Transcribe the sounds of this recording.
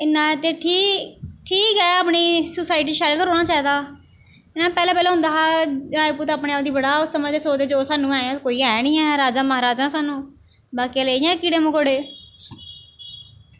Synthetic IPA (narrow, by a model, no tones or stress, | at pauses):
ɪnːãːt̪eːʈʰiːʈʰiːkɦɛːaːpniːsʊsaːɪʈ̬iːʃaːlkəɾoːɽnãːt͡ʃaːiːd̪aː | ɪnãːpɛːlɛ̃ːpɛːlɛːɦʊ̃nd̪aːɾaːipuːɾt̪aːpɳẽaːbd̪iːbəɽaːʊsːəməd͡ʒd̪eːsoːd̪eːd͡ʒoːsaːnũːɛːãːkoːiːɛːnĩːɛːɾaːd͡ʒaːməaːɾaːd͡ʒãːsaːnũː | baːkaleːijãːkɪɽeːmokoɽeː